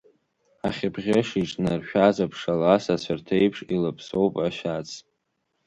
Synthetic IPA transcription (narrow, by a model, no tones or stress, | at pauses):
aχʲɪbʁʲɪʂiʈ͡ʂʼnarʃᶣazapʰʂalasasʷʰartʰejpʰʂilapʰsowpʼaʃᶣat͡sʰ